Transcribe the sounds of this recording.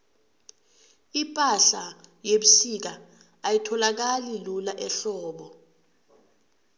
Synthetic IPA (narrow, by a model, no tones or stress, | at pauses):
ipʼaɬajeɓusik̬a | ajitʰɔlak̬alilulaʔɛɬɔːɓɔ